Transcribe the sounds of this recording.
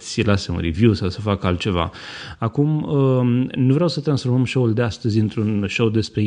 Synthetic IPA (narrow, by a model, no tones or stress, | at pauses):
sʲlaseṵnɾivjusawsəfakəalt̪̚t͡ʃe̞va̰akumənuvɾeawsət̪ɾansfo̞ɾməmʃould̪east̪əzʲɨnt̪ɾunʃowd̪e̞spɾe̞